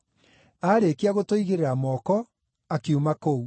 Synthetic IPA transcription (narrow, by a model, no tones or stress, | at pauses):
aːɾekeaɣotoiɣeɾeɾamɔkɔ | akeumakou